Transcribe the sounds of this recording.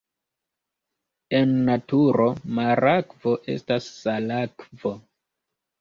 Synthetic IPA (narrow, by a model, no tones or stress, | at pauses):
e̞nːatuɾo̞maɾakvo̞ʔe̞̰stasːalakvo̞